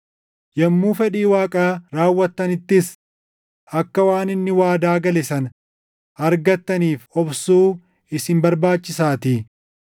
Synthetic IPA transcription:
jɐmːuːfɛᶑiːwaːkʼaːɾaːwːɐt̪ːɐnɪt̪ːɪs | ɐkːɐwaːnɪnːɪwaːd̪aːɡɐlɛsɐn | ɐɾɡɐt̪ːɐniːfɔbsuː | ɪsɪmbɐɾbaːt͡ʃːɪsaːt̪i

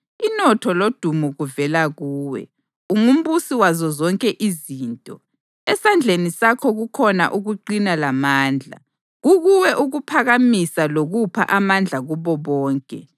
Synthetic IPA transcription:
inɔtʰɔlod̥ʱumuɣuvɛlaɣuːwɛ̰ | uŋum̩busiwazɔzɔŋkʼɛʔiziːntʼɔ | ɛsand͡ɮʱenisakʰɔɣukʰɔna̰ʔuɣuǃinalamaːnd͡ɮʱa̰ | ɣuɣuwɛʔuɣupʰaɣamisaloɣupʰa̰ʔamand͡ɮʱaɣuβɔβɔːŋkʼɛ

